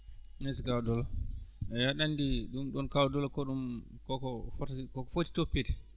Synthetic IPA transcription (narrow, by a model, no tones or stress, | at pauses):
nes̬ikawdɔlaɛjaɗandiɗumɗɔnkawdɔlakɔɗumkɔkɔfɔtkɔkɔfoti̥topːitɛ̥